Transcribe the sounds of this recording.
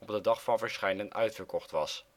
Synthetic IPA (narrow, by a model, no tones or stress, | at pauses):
ɔb̚dədɑχfɑnvəɹsχɛjnənœ̰ɥtfəɹkɔχtʋɑs